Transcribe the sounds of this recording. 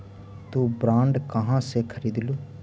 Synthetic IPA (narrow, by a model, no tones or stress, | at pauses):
t̪uːbɾãːɳɖkəɦãːseːkʰəɾiːd̪luː